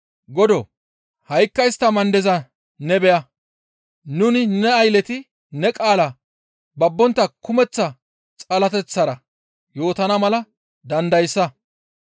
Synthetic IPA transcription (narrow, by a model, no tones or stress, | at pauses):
ɡɔd̪ɔ | hɐjkːɐjst̪ːɐmɐnd̪ɛzɐ | nɛbɛjɐ | nʊnɪnɛɐjlɛt̪ɪ | nɛkʼaːlɐ | bɐbːɔnt̪ːɐkʊmɛt͡sːɐ | t͡sʼɐlɐt̪ɛt͡sːɐɾɐ | jo̞ːt̪ɐnɐmɐlɐ | d̪ɐnd̪ɐjsːɐ